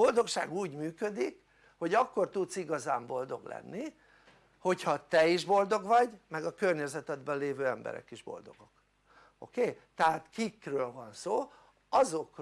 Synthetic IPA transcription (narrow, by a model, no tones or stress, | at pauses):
o̞ld̪o̞kʃa̰ːɡuːɟmyːkø̞d̪ik | ho̞ɟɒkːo̞rt̪ut̪siɡɒzaːmbo̞ld̪o̞ɡlɛ̰nːi | ho̞chɒt̪ɛiʒbo̞ld̪o̞ɡʋɒɟmɛɡɒkø̞rɲɛzɛt̪ɛd̪bɛleːvøːɛmbɛ̰ɾɛ̰kiʒbo̞̰ld̪o̞̰ɡo̞k | o̰keːt̪ɛɦaːt̪kikrøːlvɒnsoː | ɒzo̞k